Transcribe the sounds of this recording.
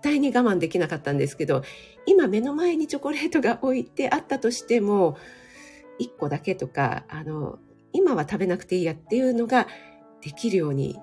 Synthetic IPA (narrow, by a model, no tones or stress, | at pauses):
t̪ːaiɲ̟iɡamãnd̪e̞kʲinakat̪ːãnd̪e̞sɨ̥ke̞d̪o̞ | imame̞no̞mae̞ɲ̟it͡ɕo̞ko̞ɾe̞ːt̪o̞ɡaʔo̞it̪e̞ʔat̪ːat̪o̞ɕi̥t̪e̞mo̞ | ikːo̞d̪ake̞t̪o̞ka̰a̰no̞̰ | imaβat̪abe̞nakɯ̥t̪e̞ijat̪ːe̞jɯ̟no̞ɡa | d̪̥e̞kʲiɾɯ̟jo̞ːɲ̟ḭ